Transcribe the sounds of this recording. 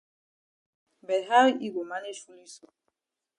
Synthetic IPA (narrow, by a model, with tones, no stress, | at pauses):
bɛ˨ɦa˦ɾi˦ɡʷo˨ma˦ne˦fu˦li˦so˦